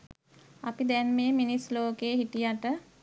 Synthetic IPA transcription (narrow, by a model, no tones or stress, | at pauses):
apid̪ɛnmeːminisloːkeːɦiʈijaʈə